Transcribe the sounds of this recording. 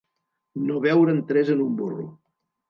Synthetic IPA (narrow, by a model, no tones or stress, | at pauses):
noβɛwɾənt̪ɾɛzənumburṵ